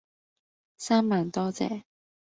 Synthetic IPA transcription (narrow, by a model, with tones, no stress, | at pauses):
saː˥mmaː˨˩nt̪ɔː˥t͡sɛ̰ː˨˩˦